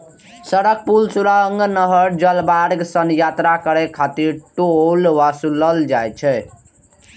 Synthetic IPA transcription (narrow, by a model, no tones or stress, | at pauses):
sʌɽək̚pulsuɾaŋɡnʌɦəɾd͡ʒʌlbaɾɡsənjat̪ɾakəɾekʰat̪iɾʈuolwasuləld͡ʒajt͡ʃʰɛ